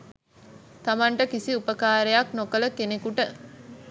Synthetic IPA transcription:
t̪amaɳʈəkisiupəkaːɾejaknokələkenekuʈə

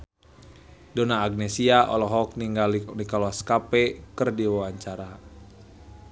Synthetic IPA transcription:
dɔnaːɡ̚nɛsiaʔɔ̰lɔɦɔk̚niŋɡalnikaluaskapɛkərdiwawaɲt͡ʃaɾa

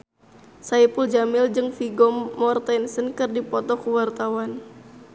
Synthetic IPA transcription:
saipuld͡ʒamɪld͡ʒɨŋfiɡɔmːɔrt̪ɛnsənkɨrdipɔt̪ɔkəwart̪awan

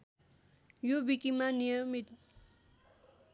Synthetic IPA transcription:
jobikimanijʌmit̪̚

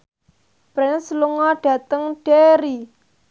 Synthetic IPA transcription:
b̥ɾanəsluŋɔɖ̥a̤t̪əŋɖ̥eɾi

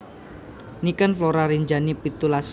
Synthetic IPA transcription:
nikənfloɾaɾiɲd͡ʒanipit̪ulas

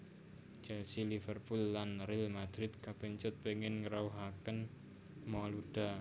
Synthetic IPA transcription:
t͡ʃɛlsilifərpulːanrɪlmad̪̥ɾɪt̪̚kapɛɲt͡ʃʊt̪̚peŋɪnŋəɾauɦakən | mɔluɖ̥a

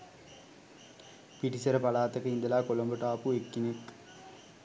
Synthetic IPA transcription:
piʈisɐɾəpalaːt̪ɐkəind̪ɐlaːkolombəʈaːpuekːinek

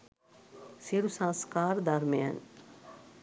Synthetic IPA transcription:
siɾusãnskaːɾd̪ɐɾmeja̰n

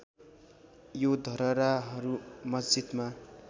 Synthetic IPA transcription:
jod̪ʱʌɾʌɾaɦʌɾumʌsd͡zit̪ma

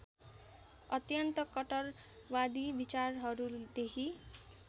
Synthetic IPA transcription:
ʌt̪jʌnt̪ʌkʌʈʌr | wad̪ibit͡sarɦʌɾud̪ekʰi

